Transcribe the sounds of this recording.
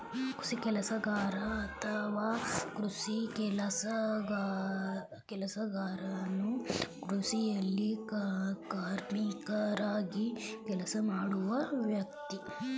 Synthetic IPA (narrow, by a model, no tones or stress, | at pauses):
kɾu̥sikɛlɐsɐɡaːɾɐːt̪ʰɐʋaːkɾusikɛlɐsɐɡ | kɛlɐsɐɡaːɾɐnukɾusijɐlːi | kaːɾmikɐɾaːɡikɛlɐsɐmaːɽuʋɐʋjɐkt̪i